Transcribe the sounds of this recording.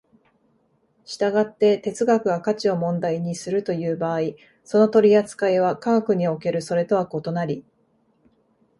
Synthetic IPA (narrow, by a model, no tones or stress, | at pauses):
ɕi̥t̪aɡat̪ːe̞t̪e̞t͡sɨɡakɯ̟ɡakat͡ɕio̞mõ̞nd̪aiɲ̟isɨɾɯ̟t̪o̞jɯ̟ːbaːi | so̞no̞t̪o̞ɾʲiat͡sɨ̥kaeβ̞akaɡakɯ̟ɲ̟io̞ke̞ɾɯ̟so̞ɾe̞t̪o̞βako̞t̪o̞naɾʲi